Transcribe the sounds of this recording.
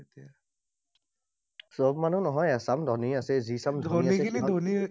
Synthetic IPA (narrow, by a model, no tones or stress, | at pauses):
t̪ia | sɔbmanunɔɦɔjasamd̪ʱɔniasɛzisamd̪ʱɔɔiaiɛilid̪ʱɔni